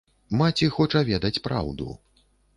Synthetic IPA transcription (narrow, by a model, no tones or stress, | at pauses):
mat͡sʲixɔt͡ʂɐvʲɛd̪ɐt͡sʲpɾa̰wd̪ṵ